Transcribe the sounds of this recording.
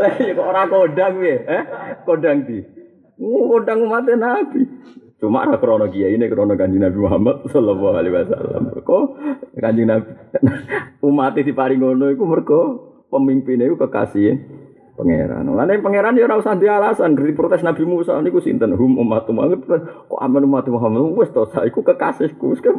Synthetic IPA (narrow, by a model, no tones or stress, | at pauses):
lejkɔoɾakoɖaŋjeɛkoɖaŋt̪i | ŋukoɖaŋumat̪enab̥it͡ʃuma̰ʔɾakəɾɔnɔkijainekəɾɔnɔkaɲd͡ʒɪŋnabimuɦamat̪̚sɔlɔlːɔɦalewasa̰la̰mkɔkaɲd͡ʒɪŋnabinumat̪id̪ipaɾiŋonɔikumərɡɔ | pəmimpɪnekukəka̰si | pəŋḛɾa̰nŋanepəŋeɾanjoɾausand̪ialasankərd̪ipɾot̪ɛsnabimusa̰nikusḭnt̪ənɦumṵmat̪uma̰ŋət̪̚əkɔ̰ʔa̰manumat̪imuɦamːat̪uwɛsd̪ɔsaikukəkasɪhkuska